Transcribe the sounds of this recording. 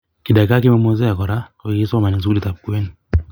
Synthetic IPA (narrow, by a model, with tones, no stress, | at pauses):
ki˨da˨ka˦k̬i˦ma˦mɔ˦z̬ɛ˦ja˨kɔ˨ɾa˦ɔ˨ji˦sma˨ni˨s̬ku˦li˨ta˨p̚ku˦ɛ˦n